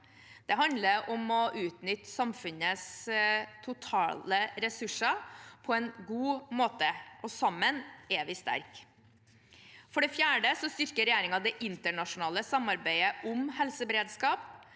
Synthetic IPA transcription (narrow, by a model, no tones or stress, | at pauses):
d̪̥ɛɦɑnd̪ləɾʔɔmɔʔʉːt̪nʏt̪ːsɑmfʉnəs | t̪ʰʊt̪ʰɑ̰ːləɾɛsʉʂəpʰɔɛnɡuːmoːt̪əʔɔsɑmːənɛʋɪst̪æ̰ɾk | fɔɖɛfjæːɖəsɔst̪ʏɾkəɾɛjæːɾɪŋɑd̪ɛʔɪnt̪əɳɑʂʊnɑːləsɑmɑɾbæɪəʔʊmhɛlsəbɾeːd̪skɑːp